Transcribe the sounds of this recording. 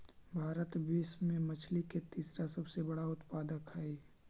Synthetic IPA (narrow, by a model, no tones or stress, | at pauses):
bʱaːɾət̪beːsmẽmɐt͡ʃʰliket̪iːsɾasɐbsebɐɽaʊt̪paːd̪əkɦɛe